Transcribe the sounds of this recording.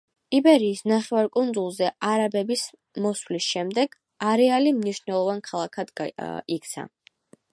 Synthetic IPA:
ibɛɾiːsnaχɛvaɾkʼund̪zulˠzɛaɾabɛbis | mɔswlisʃɛmd̪ɛɡ̥ | aɾɛalimniʃnɛlˠɔvankʰalˠakʰad̪ik̚t̪sʰa̰

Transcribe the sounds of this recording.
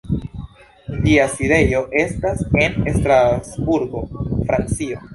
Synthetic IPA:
d͡ʒiaside̞jo̞ʔe̞stase̞nestɾasbuɾɡo̞fɾant͡sio̞

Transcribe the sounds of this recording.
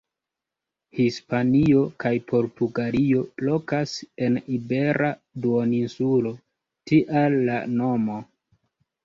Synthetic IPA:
hispaniokajpo̞ɾtuɡaɾio̞lo̞kase̞nibe̞ɾʔa | duoninsulo̞ | tiʔalːano̞mo

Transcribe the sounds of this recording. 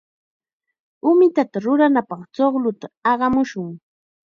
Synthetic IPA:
ʊmɪt̪at̪aɾʊɾanapɑχt͡ʃoχlʊt̪aɑɢɑmʊʃʊŋ

